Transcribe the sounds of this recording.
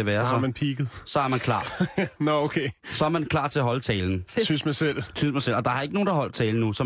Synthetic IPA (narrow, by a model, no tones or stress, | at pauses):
eʋæːɐsɒmænpʰiɡ̥ð̩ˠsɒ̽æɐmænkʰlɑ̰̈ːnɔokʰeːsɒ̽æɐmænkʰlɑ̰̈ːt͡sʰe̝ɐɦɒ̽lət͡sʰɛ̰ːln̩sysmɑsel̰sʰynsmɑɪsel̰ɒ̽d̥ɑ̈hɐe̝ɡ̥əno̝ːndɑ̈ɦɒ̽l̰d̥̚t͡sʰɛːln̩nusɒ̽